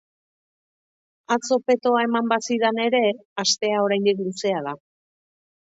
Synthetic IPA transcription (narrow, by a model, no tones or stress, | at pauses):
at͡so̞pe̞t̪o̞ae̞mambasiðane̞ɾe̞ast̪e̞ao̞ɾajnd̪ikluse̞að̞a